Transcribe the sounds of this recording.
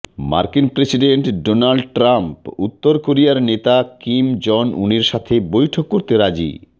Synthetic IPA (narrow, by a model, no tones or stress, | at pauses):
ma̰ɾkinpɾesiɖeɳʈɖonalɖʈɾamput̪ːoɾkoɾiaɾnet̪akimd͡ʑɔnṵniɾʃat̪ʰebojʈʰokːoɾt̪eɾad͡ʑḭ